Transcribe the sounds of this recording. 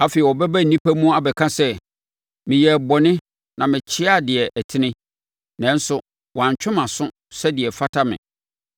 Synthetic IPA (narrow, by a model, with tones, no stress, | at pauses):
a˦fe˨i˨ɔ˨bɛ˦bæ˦˨nĩ˦pʰæ˦mũ˦a˨bɛ˨kʰã˦sɛ˦ | mɪ̃˨jɛ˨bɔ˨nɪ̃˦ | nã˨mɪ̃˨t͡ɕʰɪ˦a˦˨dɪ˨ɛ˨ʔtʰɪ˦nɪ̃˦ | nɛ̃˨˦n̩˦sʊ˨ | wã˨ɲ˨t͡ɕᶣʊ̃˦mã˨sʊ̃˦ | sɛ˦dɪ˨ɛ˨fa˦tʰa˦mɪ̰̃˨